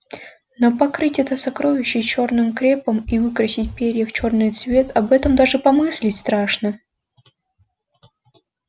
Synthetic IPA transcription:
nopɐkɾɨtʲɛt̪əsɐkɾo̞vʲɪɕːɪt͡ɕo̞rnɨmkɾʲe̞pəmivɨkɾəsʲɪt̚ʲpʲeɾʲəft͡ɕo̞rnɨjt̪svʲe̞t̪ʰɐbɛt̪əmd̪aʐɨpɐmɨsʲlʲɪtʲst̪ɾaʂnə

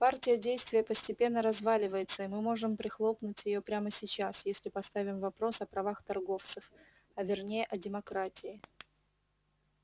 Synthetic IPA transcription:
partʲɪjədʲejst̪vʲɪjəpəsʲtʲɪpʲe̞nːəɾɐzvalʲɪvəjɪt̪səɪmɨmo̞ʐɨmpɾʲɪxlˠo̞pnʊtʲjɪjopɾʲaməsʲɪt͡ɕasjesʲlʲɪpɐst̪avʲɪmvɐpɾo̞sɐpɾɐvaxt̪ɐrɡo̞ft̪sɨf | ɐvʲɪrnʲejəʔɐdʲɪmɐkɾatʲɪɪ

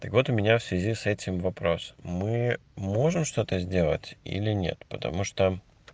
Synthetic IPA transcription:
t̪əkvo̞t̪ʊmʲɪnʲafsvʲɪzʲisɛtʲɪmvɐpɾo̞smɨmo̞ʐɨmʂt̪o̞t̪əzʲdʲe̞lˠə̰tʲḭlʲɪnʲe̞̰t̪pət̪ɐ̰muʂt̪o

